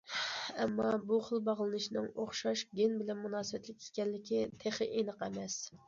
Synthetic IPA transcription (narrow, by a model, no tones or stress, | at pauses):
ɛmːɑbuχəlˠbɑʁlˠɨnɨʃnɨŋoχʃɑʃɡʲenbɪlɛnmunɑːsɨbɛt̪lɪkʲʰe̥kʲɛnlɪkʲit̪ʰeχəʔenəqæmɛs